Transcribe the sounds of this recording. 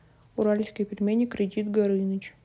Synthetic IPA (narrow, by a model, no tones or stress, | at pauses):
ʊɾalʲskʲijpʲɪɾʲmʲenʲːɪkːɾʲɪdʲit̪ɡɐɾɨnət͡ɕ